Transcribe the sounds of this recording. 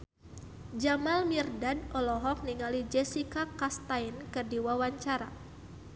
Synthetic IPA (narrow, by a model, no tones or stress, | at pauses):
d͡ʒamalmirdadʔɔlɔɦɔk̚niŋalid͡ʒɛsikakast̪ajnkɨrdiwawaɲt͡ʃaɾa̰